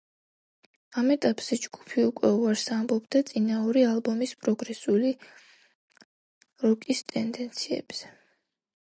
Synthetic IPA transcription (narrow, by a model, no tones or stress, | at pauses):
amɛt̪ʼapʼz̥ɛd͡ʒɡ̥u̥pʰiukʼwɛuaɾsambɔbd̪at̪sʼinauɾialˠbɔmispʼɾɔɡɾɛsuli | ɾɔkʼist̪ʼɛnd̪ɛnt̪sʰiɛ̰b̥z̥ɛ